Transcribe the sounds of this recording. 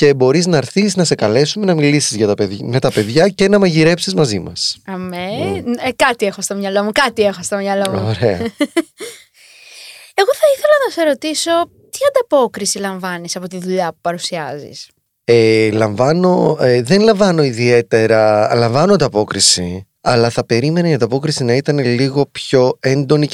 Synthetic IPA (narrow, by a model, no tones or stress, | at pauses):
ce̞bo̞ɾiznɐɾθiznɐse̞kɐle̞sume̞nɐmilisizʝɐt̪ɐpeme̞t̪ɐpe̞ðʝɐce̞nɐmɐʝiɾe̞psizmɐzimɐ̰sɐmekɐt̪iexost̪o̞mɲɐlo̞mukɐt̪iexost̪omɲɐlouoɾeɐ | e̞ɣo̞θɐiθe̞lɐnɐse̞ɾo̞t̪iso̞ | t̪iɐnd̪ɐpo̞kɾisilɐɱvɐnisɐpo̞t̪iðuʎɐpu̥pɐɾusiɐzḭs | elɐɱvɐno̞ðe̞nlɐɱvɐno̞iðie̞t̪e̞ɾɐlɐɱvɐnoɐnd̪ɐpo̞kɾisi | ɐlɐθɐpe̞ɾime̞neiɐnd̪ɐpo̞kɾisinɐit̪ɐneliɣo̞pço̞e̞nd̪o̞ni